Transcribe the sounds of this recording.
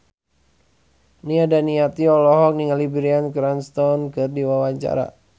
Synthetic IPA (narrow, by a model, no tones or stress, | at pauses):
niadaniat̪iɔlɔɦɔk̚niŋalibɾiankɾanst̪ɔnkɨrdiwawaɲt͡ʃa̰ɾa̰